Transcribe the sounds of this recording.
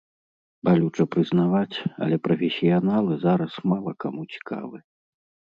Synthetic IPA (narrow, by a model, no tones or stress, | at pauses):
balʲut͡ʂɐpɾɨznavat͡sʲɐ̰lʲɛpɾɔfʲesʲijanalˠɨzaɾɐsmalˠɐka̰mut͡sʲi̥kʰa̰vɨ